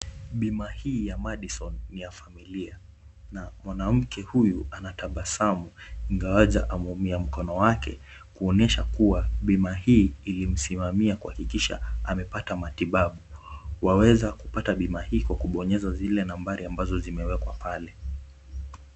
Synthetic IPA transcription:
ɓimahiːjamaɗisɔnːijafamilia | namwanam̩kʰɛhujuanataɓasamuiŋɡawaza̰ʔamumiam̩kɔnɔwakɛ̰ | kuɔnɛʃakuwaɓimahiːlim̩simamiakuhakikiʃa̰amɛpatamatiɓaɓuwawɛzakupataɓimahiːkwakuɓɔɲɛzazilɛnambaɾiambazɔzimɛwɛkwapalɛ

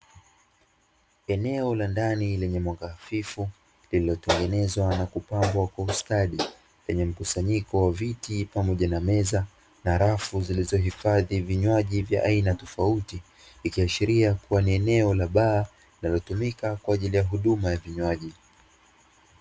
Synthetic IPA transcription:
ɛnɛɔlandanilɛɲɛmwaɡaːfifu | lililɔtɛŋɡɛnɛzwanakupambwakwaustaɗi | lɛɲɛm̩kusaɲikɔwavitipamɔʄanamɛza | naɾafuzilizɔɦifaðiviɲwaʄivja̰ʔainatɔfautiː | kiaʃiɾiakuwaniɛnɛɔlaɓaː | linalɔtumikakwaːʄilijaɦuɗumajaviɲwaʄi

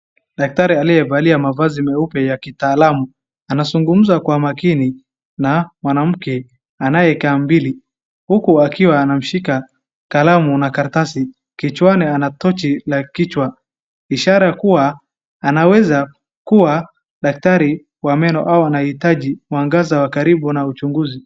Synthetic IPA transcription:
ɗak̚taɾialijɛvaliamavazimɛupɛjakitaːlamu | anazuŋɡum̩zakwamakini | namwanam̩kɛ | anajɛkaːmbili | hukuakiwaːnam̩ʃika | kalamunakaɾtasi | kit͡ʃwanianatɔt͡ʃilakit͡ʃwa | iʃaɾajakuwaː | nawɛza | kuwa | ɗak̚taɾi | wamɛnɔʔawanahitaʄiuaŋɡazawakaɾiɓunaut͡ʃuŋɡuzi

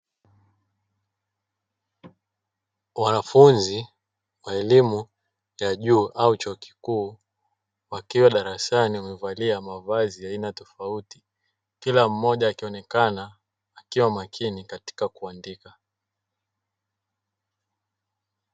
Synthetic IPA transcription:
wanafunzi | waɛlimu | jaʄuːʔaut͡ʃɔːki̥kuː | wakiwaɗaɾasaniamɛvaliamavaziainatɔfauti̥ | kilam̩mɔʄaːkiɔnɛkanaː | kiwamakʰinikati̥kakuandika

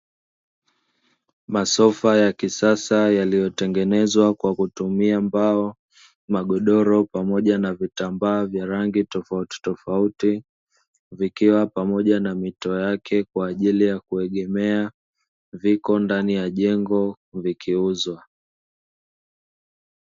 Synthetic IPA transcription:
masɔfajakisasajalijɔtɛŋɡɛnɛzwakwakutumiambaɔ | maɠɔɗɔɾɔpamɔʄanavitambaːvjaɾaŋɡitɔfauti̥tɔfauti | vikiwapamɔʄanamitɔjakʰɛkwaːʄilijakuɛɠɛmɛa | vikɔndanijaʄɛŋɡɔ | vikʰiuzwa

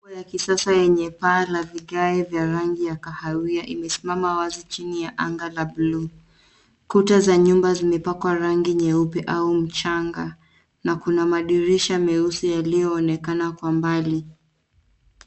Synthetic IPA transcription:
jakisasajɛɲɛpaːlaviɠaɛvjaɾaŋɡijakahaɾiaʔimɛsimamawazit͡ʃinijaʔaŋɡalablu | kutazaɲumbazimɛpakwaɾaŋɡiɲɛupɛʔaum̩t͡ʃaŋɡa | nakunamaɗiɾiʃamɛusijalijɔːnɛkanakwambali

